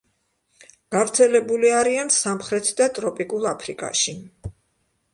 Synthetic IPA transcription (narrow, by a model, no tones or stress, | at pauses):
ɡ̥avɾt̪sʰɛlɛbuliaɾiansamχɾɛt̪ʰd̪at̪ʼɾɔpʼikʼulˠapʰɾikʼa̰ʃi